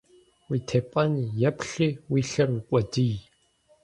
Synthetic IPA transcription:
wiːtʰeːpʼɐnjɛpɬiːwiːɬɐrikʷʼɔdij

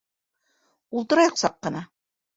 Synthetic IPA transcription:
ulˠt̪ɤ̆ɾɑjɤqsɑqːɤ̆nɑ

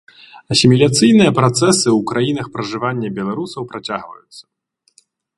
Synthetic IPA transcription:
ɐsʲimʲilʲat̪sɨjn̪ɨjɐpɾat̪sɛsɨwukɾajinɐxpɾɐʐɨvanʲːɐbʲɛlˠaɾusɐwpɾat͡sʲaɣvɐ̰jut̪sːɐ̥

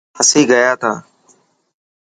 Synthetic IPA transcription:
həsiːɡəjaːt̪ʰaː

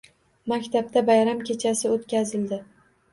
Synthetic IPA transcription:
makʲt̪ʰab̚t̪ʰabajɾamkʲe̞t͡ʃʰasɪot̪kʲazɪld̪ɪ

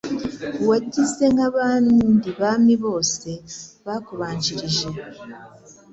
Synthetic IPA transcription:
waɟize̞ŋɡaβaːndiβaːmiβo̞ːse̞βakuβaːɲt͡ʃiɾiʒe̞

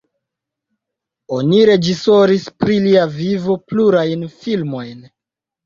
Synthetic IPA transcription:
o̞niɾe̞d͡ʒiso̞ɾispɾiliavivo̞pluɾajnfilmo̞jn

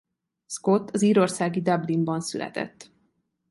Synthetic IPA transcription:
sko̞t̪ːɒziːɾo̞rsaːɡid̪ɒblimbɒnsylɛ̰t̪ɛ̰t̪ː

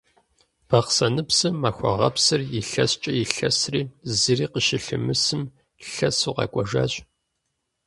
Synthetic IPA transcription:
b̥ɐqsɐnɨpsɨmːaːxʷɔ̰ʁɐ̰psɨrjɪɬɐst͡ʃʼɐjɪɬɐsriːzɨriːqəʃɪɬɨmɨsɨm | ɬɐsuːqɑ̰kʷʼɐʒa̰ːɕʼ

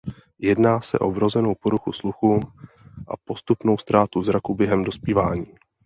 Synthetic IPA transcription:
jɛdnaːsɛ̰ʔovɾo̞zɛno̞wpoɾuxusluxum | ʔa̰po̞st̪upno̞wst̪ɾaːt̪uzɾakubjɛɦɛmdo̞spiːvaːɲiː

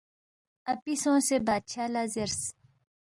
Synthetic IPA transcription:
ɐpisõːsebaːd̪̚ɕʰaːlaːzeɾs

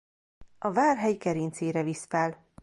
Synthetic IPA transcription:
ɒvaːrɦɛjkɛɾiːnt̪seːɾɛvisfɛl

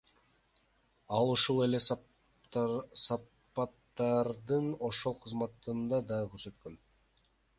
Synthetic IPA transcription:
ɑlˠuʃulˠe̞le̞s | sɑ | ɑt̪ːɑɾd̪ɯno̞ʃo̞lˠqʰɯzmɑt̪ːɯnd̪ɑd̪ɑʁkʰʲøɾsø̞t̪kø̞n

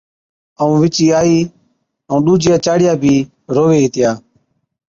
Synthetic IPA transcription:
əũːʋɪt͡ʃiːaːiː | əũːɗuːd͡ʒɪjaːt͡ʃaːɽɪjaːbʱiː | ɾoːʋeːɦɪt̪ɪjaː

